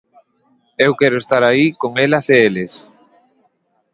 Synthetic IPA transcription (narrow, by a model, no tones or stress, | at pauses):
ewkɛɾʊest̪aɾaikoŋelɐseeles